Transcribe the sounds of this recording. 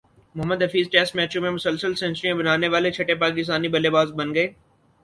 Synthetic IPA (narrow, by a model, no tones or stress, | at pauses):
mʊɦəmːəd̪ɦɐfiːzʈɛːsʈmɛːt͡ʃõmẽmʊsəlsəlsɛ̃nt͡ʃɾiãbɐnaːneʋaːlet͡ʃʰɐʈepaːk̬ɪst̪aːnibɐlebaːzbɐnɡɐeː